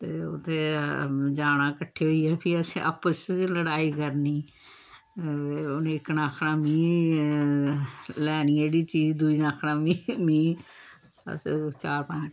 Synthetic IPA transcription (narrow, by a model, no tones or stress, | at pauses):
t̪eːʊt̪ʰːeːd͡ʒaːɽ̃ãːkəʈʰːeːɦoiːɛːpʰiːəsẽʔə̰pːəsləɽaːiːkəɾniː | onẽːɪknaːkʰɽãːmĩː | lɛːɽiːeːɽiːt͡ʃiːd͡ʒd̪uiːnaːkʰɽãːmiːmiː | ə̰st͡ʃaːɾpə̃ɲd͡ʒ